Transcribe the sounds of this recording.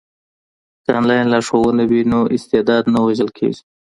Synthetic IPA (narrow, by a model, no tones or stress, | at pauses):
tɑ̰nlɑjnlɑʂowunawinoʔɪst̪ed̪ɑd̪nawaʒəlkʰḛɡi̥